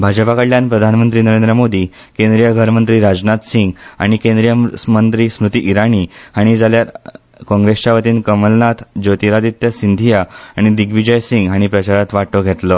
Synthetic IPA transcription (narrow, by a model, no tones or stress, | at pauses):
bʱad͡ʑəpakəɽljanpɾəd̪ʱanmənt̪̬ɾiːnəɾẽnd̪ɾəmod̪ʱi | kẽnd̪ɾijəɡʱəɾmənt̪ɾiːɾad͡znat̪siŋɡa̰ɽ̃ikẽnd̪ɾijəmənt̪ɾiːsmɾut̪iʔiɾaɳ̃iaɽ̃id͡zaljaɾ | kɔ̃ŋɡɾest͡ɕaʋət̪iːnkəməlnat̪ʰd͡ʑot̪iɾad̪it̪jəsind̪ʱijaaɽ̃id̪iɡʋid͡ʑəjsiŋɡaɽ̃ipɾət͡ɕaɾat̪ʋaʈːɔɡʱet̪lɔ